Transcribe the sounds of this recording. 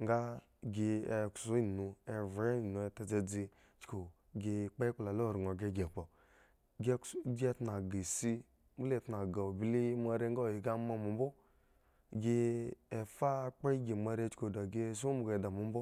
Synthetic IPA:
ŋɡa˦ | ɡi˧e˨ksu˨˦i˦˨nu˧e˨ve˦˨nu˨e˨ta˨˧d͡ze˧d͡zi˧ | t͡ʃko˨ | ɡe˧˨k͡pa˦k͡pla˨lo˦˨ɾŋo˨ɡe˧˦ɡe˨k͡pɔ˨ | ɡɡe˦tna˨ɡi˨si˦ | mbu˦le˨tna˨ɡa˨o˨bi˦li˦ma˧ɾe˦ŋ˦a˦˨i˨ɡa˦ma˦mu˨m˦bu˦ | ɡi˦˧e˨fa˦k͡pa˦i˦ɡi˨ma˧ɾe˦t͡ʃko˨da˨ɡe˦s̬u˦mu˨ɡe˨da˨mu˨˦m˦bu˦

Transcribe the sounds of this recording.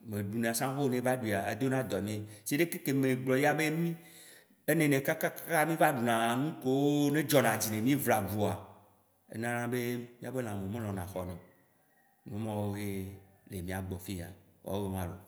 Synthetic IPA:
mẽ˨ɖu˨nẽ˨a˨sã˦xo˦nẽ˦va˦ɖi˨a˨ḛ˦d̪o˦nã˦d̪ɔ˨mĩ˦e˦sie˦ɖe˦ke˦ke˨me˨ɡ͡blɔ˨ji˦a˦be˦mĩ˦ | e˦nẽ˨nẽ˨ka˦ka˦kka˦mĩ˦va˦ɖu˨nã˨nũ˦ko˦woo˦nẽ˦d͡ʒɔ˨nã˨d͡ʑi˨nẽ˨mĩ˦vla˨ɡu˨a˨ | ḛ˦nã˦nã˦be˦mĩ˦a˨be˦nã˨mẽ˨mẽ˦lɔ̃˨nã˨xɔ˨nɔ̃˨ | nũ˨˦mɔ̃˦wo˦ɦe˦le˨mĩ˦a˨ɡ͡bɔ˨fi˦˨a̰˨wɔ̰˨˦be˦mã˦lo̰˨

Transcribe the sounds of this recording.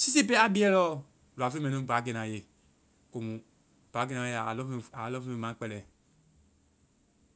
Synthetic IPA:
si˦s̬i˦˨p̬ɛ˦a˦bi˦ɛ˦lɔ˦ | lu˨a˨fe˦mɛ̃˨nũ˦˨ba˨˦ɡe˨nã˨je˨ | ko˨mũ˨ | b̥a˨˦ɡe˧nã˨je˨˦a˨lɔ˦fa˨˦lɔ˦fẽ˦˨mã˨˦k͡pɛ˧lɛ˨

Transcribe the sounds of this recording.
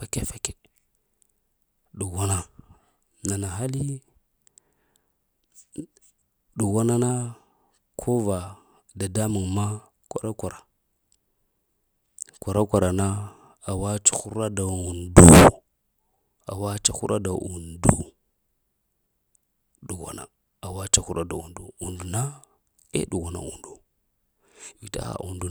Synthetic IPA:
pa˨ke˦fe˦ke̥˦ | ɗu˨wa˦na˦ | na˨na˨ɦa˦li˦ | ɗu˨wa˦na˦na˦ | kʰo˦va˨ | da˨da˦mu˨ŋma˦ | kʷa˨ɾa˦kʷa˨ɾa˨ | kʷa˨ɾa˦kʷa˨ɾa˨na˦ | a˨wa˦t͡ʃḁ˦xu˦ɾa˦da˨u˨ndu˦ | a̰˨wa˦t͡ʃa˦xu˦ɾʔa̰˦da˨u˨ndu˦ | ɗu˨ɣʷa̰˨na̰˨ | a˨wa˦t͡ʃa˦xu˦ɾa˦da̰˨ṵ˨ndu˨u˨ndu˨na˦ | ḛ˦ɗu˨ɣa˨na̰˨ṵ˨ndu˨ | vi˨ta̰˦a̰˨u˨ndu˦

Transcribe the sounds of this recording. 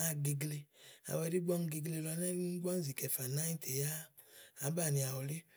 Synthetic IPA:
a˦ɡi˨ɡle˧a̰˨wɛ˧˨di˦ɡ͡bɔ˦n˦ɡi˧ɡle˧lɔ˧˦nɛ˦ɡ͡bɔ˦n̩˦zi˨kɛ˨fa˨na˦i˦tʰe˨ja˦ | a˨˦ba˦˨ni˨a˨wɔ˨le˦

